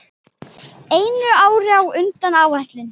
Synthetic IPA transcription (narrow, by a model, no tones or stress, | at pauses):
eːjnʏaːwɾɪawʏnt̪anaːwɛht̪lɪn